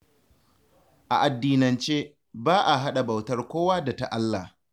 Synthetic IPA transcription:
ʔa̰˨ʔa˨dːiː˨nɐ˨nt͡ʃeː˦ | baː˦ʔa˨ɦa˦ɗa˨bɐ˨wtɐ˦rkʷoː˦waː˦da˨ta˨ʔa˦lːa˨

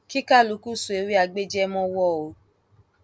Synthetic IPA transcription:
ki˦ka˦˨lu˨˦ku˦˨su˨e˨˦wi˦a˧ɡ͡be˦d͡ʒɛ˦mɔ̃˦wɔ˦˨o˨˦

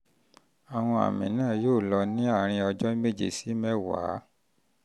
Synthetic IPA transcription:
a˨w̃ɔ̃˧a̰˨mĩ˨nãː˦˨joː˦˨lɔ˧nĩ˦a˦˨ɾ̃ĩ˧ɔ˧d͡ʒɔ˦me˦˨d͡ʒḛ˨si˨˦mɛ˦wa̰˨˦

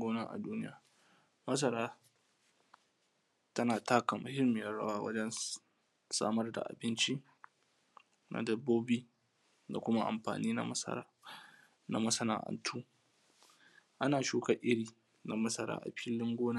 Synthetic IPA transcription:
ɡoː˦naː˦ʔa̰˨duː˦nɪ˦jaː˨ | mɐ˦s̬ɐ˦ɾaː˦ | tɐ˦naː˨taː˦ka˨mʊ˨hɪ˦mɪ˨jɐ˦rɽɐ̰˦waː˦wɐ̰˦d͡ʒɛ˦n | sa̰ː˦mɐ˦rda̰˨ʔa̰˨bɪ˦nt͡ʃi˦ | na̰˨dɐ˨bːoː˦biː˦ | da̰˨kʷʊ˦ma˦ʔa̰˨mɸa̰ː˨niː˦na̰˦mɐ˦sɐ̰˦ɾa̰ː˦ | na˨mɐ˦sɐ˦na̰ː˨ʔɐ̰˨ntʰuː˦ | ʔa˦naː˨ʃuː˦ka˦˨ʔɪ˦ɽiː˨ | na˨mɐ˦sɐ˦ɾa̰ː˦ʔa̰˨ɸʰɪ˦lːɪ˦ŋɡʷoː˦naː˦

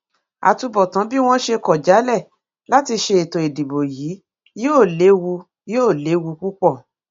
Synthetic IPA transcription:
a̰˨tu˧bɔ˨tã˨˦bi˦w̃ɔ̃˦ʃe˧kɔ˨d͡ʒa˨˦lɛ˦˨ | la˦ti˧ʃe˧e˨tõ˨i˨di˨bo˨jiː˨˦ | joː˦˨le˨˦wu˧ | joː˦˨le˨˦wu˧k͡pu˦k͡pɔ˦˨

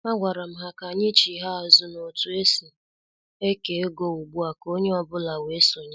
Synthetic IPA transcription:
ma˦ɡʷa˨ɾa˨m̩˦ɦa˦ka˨ɲɪ˦t͡ʃi˨ɦa˦a˨zʊ˦no˨tu˨e˦si˨ | e˦ke˨˦ɡo˦u˨ɡ͡bu˦a˨ko˦ɲe˦ɔ˨bʊ˦la˨we˦so˨ɲa˦

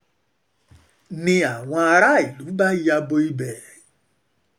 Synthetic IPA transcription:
nɪ̃˦a˨ŋʷa˦a˧ɾa˦˨i˨lu˨˦ba˦i˦ja˦bo˦i˦be˨

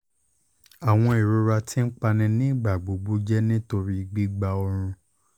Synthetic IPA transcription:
a˨w̃ɔ̃˧i˨ɾo˨˧ɾa˧tʰi˦n̩˦k͡pa˧nĩ˧nĩ˦˨ɡ͡ba˨ɡ͡bo˨˦ɡ͡bu˦d͡ʒɛ˦nĩ˦to˧ɾi˦˨ɡ͡bi˦ɡ͡ba˧ɔ˧ɾ̃ũ˧

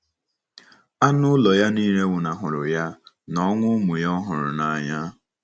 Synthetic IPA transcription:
a˦nʊ˦lɔ˨ja˦niː˦ɾe˦wʊ˨na˨ɦʊ˨ɾʊ˨ja˦ | nɔ˦ŋʷʊ˦mʊ˨jɔ˦ɦʊ˨ɾʊ̰˨na˨ɲa˦

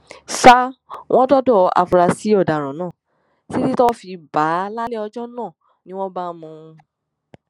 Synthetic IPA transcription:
sa˦w̃ʔɔ̃˦dɔ˦dɔ˦˨a̰˨fu˧ɾa˧si˨˦ɔ˦˨da˨ɾ̃ã˨˦nãː˦˨ | si˦ti˦tɔ˦fi˧ba˨˦la˦lɛ˦ɔ˧d͡ʒɔ˦nãː˦˨ | nĩ˨˦w̃ɔ̃˦ba˦mũ˧

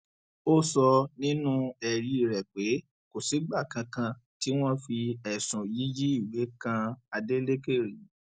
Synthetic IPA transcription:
o˦sɔ˧nĩ˦nũ˦ɛ˨ɾi˨ɾɛ˨k͡pe˨˦ | ko˨si˨˦ɡ͡ba˦˨kã˧kã˧ti˨˦w̃ɔ̃˦fi˧ɛ˨sũ˨ji˨˦d͡ʒi˦i˦˨we˨˦kã˧a˧de˦le˦ke˦˨ɾi˨

